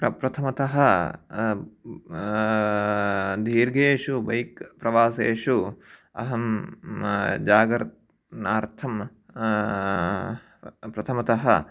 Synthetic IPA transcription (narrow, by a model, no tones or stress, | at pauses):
pɾɐpɾɐt̪ʰɐmɐt̪ɐɦɐ | d̪ʱiːɾɡeːʂubɐjkpɾɐʋaːseːʃuɐ̰ɦɐm | d͡ʒaːɡɾt̪̚ | naːɾt̪ʰɐm | pɾɐt̪ʰɐmɐt̪ɐɦɐ̰